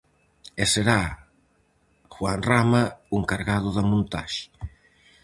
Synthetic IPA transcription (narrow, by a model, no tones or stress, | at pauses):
eseɾa | xwanramɐueŋkaɾɣað̞ʊðɐmũnt̪a̰ʃɪ̥